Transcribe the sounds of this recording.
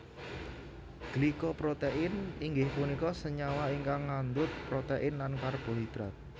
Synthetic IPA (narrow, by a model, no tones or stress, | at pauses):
ɡ̥likɔpɾot̪eʔɪniŋɡɪhpunikɔsəɲawaiŋkaŋːand̪ʊt̪̚pɾot̪eʔɪnlankarb̥ɔ̤ɦid̪̥ɾa̰t̪̚